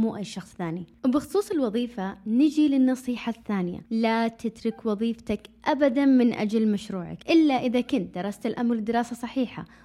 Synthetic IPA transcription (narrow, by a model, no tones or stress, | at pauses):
muːʔajːʃɑxsˤθaːniwbɪxʊ̥sˤuːsˤɪlwɑðˤiːfanɪd͡ʒilɪnːɑsˤiːħaθːaːnɪja̰lat̪ɪd̪ɾʊkwɑðˤiːft̪akʔabad̪anmɪnʔa̰d͡ʒalmaʃɾuːʕa̰kʔɪlːaʔɪðakʊnt̪̚d̪ɑɾˤːɑst̪ɪlʔamɾɪd̪ːɪɾɑːsasˤɑħiːħa̰